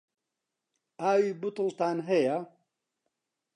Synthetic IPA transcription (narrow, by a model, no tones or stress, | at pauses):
aːwibʊt̪ɨlt̪aːnɦɛja